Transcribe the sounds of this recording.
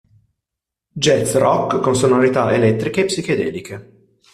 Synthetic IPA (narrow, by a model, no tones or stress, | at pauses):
d͡ʒɛt̪srɔkːkːonsonoɾit̪aʔelɛt̪ːɾikeːpːsik̟ed̪ɛ̰ːlikʰe